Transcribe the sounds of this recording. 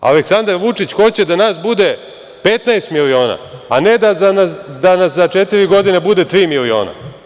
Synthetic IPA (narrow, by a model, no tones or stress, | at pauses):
a̰leksand̪aɾʋut͡ʂit͡ɕxo̞t͡ɕe̞d̪anaːsbud̪e̞ | pe̞t̪naest̪milio̞ːna̰ane̞d̪azanasd̪anaszat͡ʃet̪iɾiɡo̞d̪inebud̪e̞t̪ɾiːmilio̞̰ːna̰